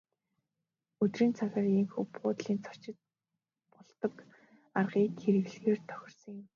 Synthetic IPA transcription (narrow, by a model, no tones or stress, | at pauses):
ɵt̪riːnt͡sʰaxʲaːriŋxupɢʊːt̪ɮiːnt͡sʰɔ̥t͡ɕɪ̆t̪̚ | pɔɮt̪ɞ̆k | arʁiːkxeɾɘ̆ɣɮɣeːrt̪ʰœ̥xʲɪ̆rsə̆ŋjɪ̆m